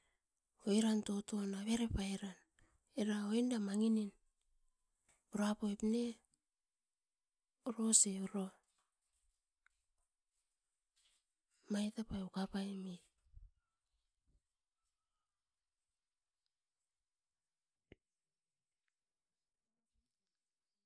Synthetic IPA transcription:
ojɾanto̞to̞naβe̞ɾepajɾan | eɾaoendamaŋinin | uɾoapoepne | uɾoseuɾo | majtapajukapajmi

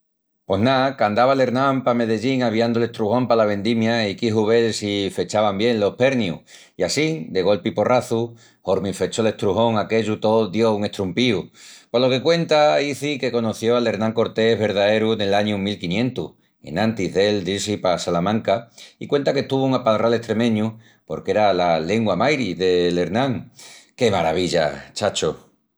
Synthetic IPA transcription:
po̞ɦnakand̪aβale̞ɾnãmpame̞ð̞e̞ʝiŋaβ̞iand̪ole̞t̪ɾuhõ̞mpalaβ̞ẽ̞nd̪imjaikiɦuβe̞lsife̞t͡ʃaβambje̞nlo̞hpe̞ɾnjṵ | iasid̪e̞ɣo̞lpipo̞rʔaθu | ho̞ɾmife̞t͡ʃo̞le̞ht̪ɾuɦo̞ŋake̞ʎut̪o̞ðjo̞uŋe̞ht̪ɾumpiupolo̞ke̞kwe̞nt̪aiθike̞ko̞noθjo̞ale̞ɾnãŋko̞ɾt̪e̞ɦβe̞ɾðae̞ɾuene̞laɲumilkinjẽ̞nt̪uh | e̞̰nãnt̪iɦðe̞ld̪iɾsipasalamãŋkaikwe̞nt̪ake̞t̪uβ̞ouŋapalrʔale̞ht̪ɾe̞mẽ̞ɲu | po̞ɾke̞ɾalale̞ŋɡwamajɾiðe̞le̞ɾnãŋke̞maɾa̰β̞iʎa̰t͡ʃat͡ʃo

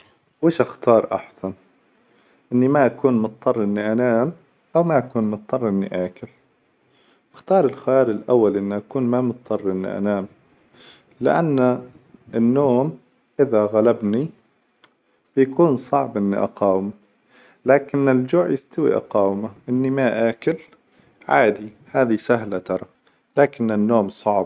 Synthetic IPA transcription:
weːʃʔaxt̪ɑːɾˤʔa̰ħsan | ʔɪnːimaʔakuːnmʊt̪̚ˤːɑrˤːʔɪnːiʔanaːm | ʔawmaʔakuːnmʊt̪̚ˤːɑrˤʔɪnːḭʔaːkɪl | ʔaxt̪ɑːɾˤɪlxajɑːɾˤɪlʔawːalʔɪnːiʔakuːnmamʊt̪̚ˤːɑrˤːʔɪnːḭʔa̰naːm | lɪ̰ʔa̰nːa | ɪnːoːm | ʔɪðaɣalabni | b̥jakuːnsˤɑʕbʔɪnːḭʔɑ̰qɑːwɪma | laːkɪnːɪld͡ʒʊʕjɪst̪awḭʔɑ̰qɑːwɪmaʔɪnːimaʔaːkɪl | ʕaːd̪i | haːðisaɦlat̪ɑɾˤɑ | laːkɪnːɪnːoːmsˤɑʕb

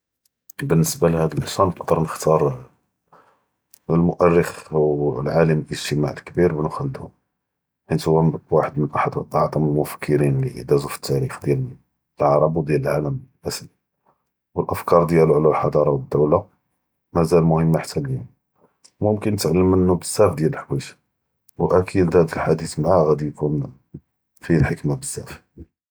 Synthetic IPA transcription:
bənːəsbalhæd̪əlʔəʃænəqd̪ˤəɾˤnəxt̪ɑɾˤ | lmʊʔærːəxlʕaləmlʔəʒt̪əma̰ʕəlkbiɾbnxæld̪hʊ | ħit̪hʊwːæməbwaħəd̪mənʔaħəd̪wət̪ˤːɑʕd̪ˤəməlmʊfə̥kʰːəɾinliʔə̰d̪æzufə̥t̪ːæɾixd̪jæl | lʕɑɾˤɑbwd̪jæləlʕaləmʔæsəl | wəlʔəfkɑɾˤd̪jæluʕlælħɑd̪ˤɑɾˤɑwəd̪ːəwla | mæzælmʊhəmːaħt̪ʰːæljæn | mʊmkənt̪ʕlːəmʔənːubəzːæfd̪jæləħwiʃ | wʔækʰild̪hæd̪əlħad̪it̪mʕaɣæd̪ijkun | filħəkmabəzːæf

